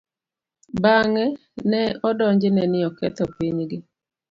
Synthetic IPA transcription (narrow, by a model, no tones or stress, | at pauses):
baŋɛ | nɛɔdɔɲd͡ʒɪnɛnɪɔkɛ̰t̪ɔpiɲɡɪ